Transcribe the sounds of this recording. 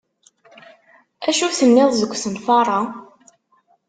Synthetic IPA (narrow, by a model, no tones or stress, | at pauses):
æʃuθənːɪðˤzəɡʷːsənfɑɾˤɑ